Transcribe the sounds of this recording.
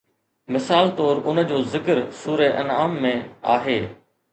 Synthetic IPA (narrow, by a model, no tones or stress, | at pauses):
mɪsaːlt̪ɔːɾʊnə̆d͡ʑoːzɪkəɾsuːɾeʔɐ̰naːmːẽaːɦeː